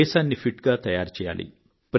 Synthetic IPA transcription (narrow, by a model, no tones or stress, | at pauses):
ɛːsaːnːipʰiʈɡaːt̪ɐjaːɾt͡ʃɛːja̰ːlḭ | pɾ